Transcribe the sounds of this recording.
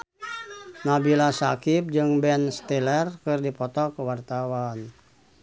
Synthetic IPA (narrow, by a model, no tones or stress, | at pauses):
nabilasa̰kip̚d͡ʒɨŋbɛnst̪ɛlɛrkɨrdipɔt̪ɔkəwart̪awan